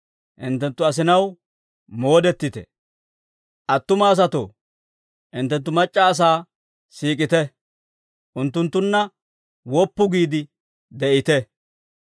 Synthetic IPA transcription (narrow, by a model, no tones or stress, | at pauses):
ʔɪnt̪ːɛnt̪ːʊɐs̬ɪnɐw | mo̞ːd̪ɛt̪ːɪt̪ɛ̰ | ʔɐt̪ːʊmaːs̬ɐt̪o̰ː | ʔɪnt̪ːɛnt̪̬ːʊmɐt͡ʃʼːaːs̬aː | siːkʼɪt̪ɛ | ʔʊnt̪ːʊnt̪ːʊnːɐ | wɔpːʊɡiːd̪ɪ | d̪ɛʔɪt̪ɛ